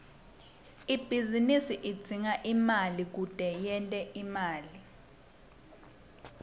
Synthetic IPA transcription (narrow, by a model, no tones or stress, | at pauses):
ib̥ʱizinisiʔidd͡z̥ʱiŋaʔimalik̬ud̥ʱɛjɛntʼɛʔimaːli